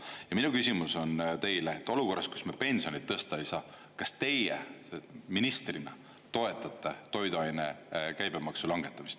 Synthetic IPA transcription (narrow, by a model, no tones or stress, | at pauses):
jjɑminukysʲimuso̞nt̪e̞jleet̪ːˑo̞luko̞rːɑst̪ku̥smepe̞nʲsionit̪ːɤst̪ɑejsɑː | kɑst̪e̞jḛ | minist̪rinɑ̰ | t̪o̞e̞t̪ːˑɑt̪ːˑet̪o̞jd̪uɑjne̞kæjb̥emɑksulɑŋɡ̥e̞t̪ːˑɑmist̪